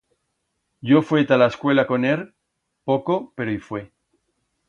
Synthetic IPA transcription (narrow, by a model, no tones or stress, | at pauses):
ɟ͡ʝofwet̪alaeskwe̞lako̞neɾ | po̞ko̞pe̞ɾoifwe